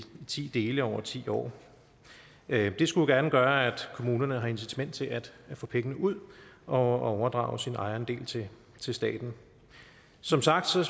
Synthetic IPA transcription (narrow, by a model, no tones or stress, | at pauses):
t͡sʰḭːd̥e̝ːləɒʊ̰ɐt͡sʰḭːɒ̰ː | d̥e̝sɡ̥ujɡ̥æɐnəɡ̥ɶːɐæd̥kʰo̝muːnɐnəɦɑ̈e̝nsi̥t͡sʰæmen̰d̥t͡sʰe̝læd̥fɔ̰̽ːpʰeŋənəuð̞̰ˠɒ̽ɒʊɐd̥ʁɑ̰̈ʊsinɑ̈ɪɐnd̥e̝̰ːlt͡sʰe̝ | t͡sʰe̝lsd̥ɛ̰ːd̥n̩ | sɒ̽msɑ̈ɡ̥̚d̥sɒ̽